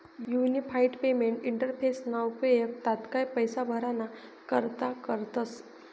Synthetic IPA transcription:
junipʰajɖpemeɳʈiɳʈəɾpʰesnawpəjək̚t̪at̪kajpəjsabʱəɾanakəɾt̪akəɾt̪əs

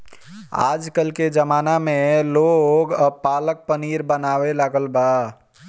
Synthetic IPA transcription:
a̰ːd͡ʒkəlked͡ʒəmaːnamẽloɡəpaːlək̚pəniɾbənaːwelaɡəlba

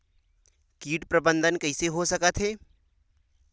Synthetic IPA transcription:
kiːʈpɾɐbə̃nd̪ʱənkɐɪseɦosɐkət̪ɦɛː

